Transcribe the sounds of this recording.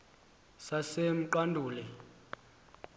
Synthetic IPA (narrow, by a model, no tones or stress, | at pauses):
sasem̩ǃandʱuːlɛ